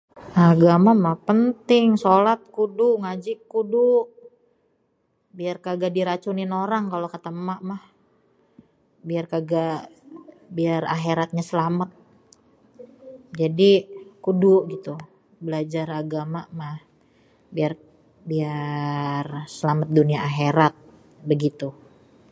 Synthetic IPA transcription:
ʔaɡamamahpənt̪ɪŋsolat̪̚kuduʔŋad͡ʒɪkːuduʔ | biarkaɡadiɾat͡ʃunɪnoɾaŋkalokat̪əmaʔmah | biarkaɡa | biara̰ɦeɾat̪̚ɲasəlamət̪̚ | d͡ʒadikuduʔɡit̪u | bəlad͡ʒaraɡamaʔmah | biar | bia | rsəlamət̪̚duniaʔaɦeɾat̪̚ | bəɡit̪u

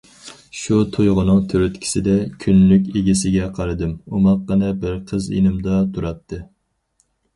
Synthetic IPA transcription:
ʃut̪ʰujʁʊnɨŋt̪ʰøɾyt̪kʲʰi̥sɪd̪ɛkʲʰynlykʲeɡʲisɪɡʲɛqʰɑɾɨd̪ɨmumɑqːənɨbɪɾqʰəzḛnɪmd̪ɑt̪ʰuɾɑt̪ʰːɨ

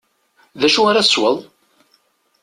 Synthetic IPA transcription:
ðæʃuaɾaswəðˤ

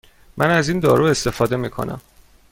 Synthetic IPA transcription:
mʔænæziːnd̪ɒːɾuːe̞st̪e̞fɒːd̪e̞miːkʰo̞̰næ̰m

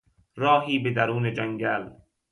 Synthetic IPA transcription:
ɾɔːɦiːbed̪ɐɾuːned͡ʒɐŋɡaːl

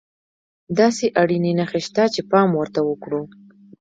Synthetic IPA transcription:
d̪ɑseʔaɽinenaxeʃt̪at͡ʃepɑmwəɾt̪awəkɽu

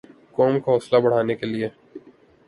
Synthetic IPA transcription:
kɔːmkaɦɔːslabɐɽ̤aːnekelie

